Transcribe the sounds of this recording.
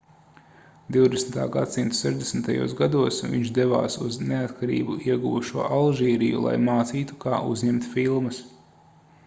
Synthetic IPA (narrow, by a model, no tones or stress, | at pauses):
d̪iwd̪esnt̪a̰ːɡat̪simt̪u̥sɛʒd̪esmt̪ajṵːsɡad̪uɔsvḭɲt͡ʃd̪eva̰ːsuzneat̪kaɾḭːbuʔiɛɡuvuʃuɔʔalˠʒiːɾijṵlˠa̰jmaːt̪siːt̪u̥kaːʔuzɲemt̪filˠmɐs